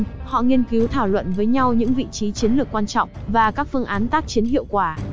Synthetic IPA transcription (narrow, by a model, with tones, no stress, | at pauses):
hɔ̰˧˨ŋi˧ənki˨˦wt̪ʰaː˧˩wlwə̰˧˨nvəː˨˦jɲa˧wɲɨ̰˧˥ŋvḭ˧˨t͡ɕi˨˦t͡ɕi˨˦ənlɨ˨˩əkːwaː˧nt͡ɕɔ̰˧˨wŋ͡mvaː˨˩kaː˦˥k̚fɨ˧əŋʔaː˨˦nt̪aː˦˥k̚t͡ɕi˨˦ənɦḭ˧˨əwkwaː˧˩